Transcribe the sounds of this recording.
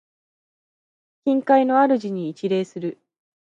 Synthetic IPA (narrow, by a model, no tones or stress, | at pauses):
kʲĩŋkaino̞aɾɯ̟ʑiɲ̟iːt͡ɕiɾe̞ːsɨɾɯ̟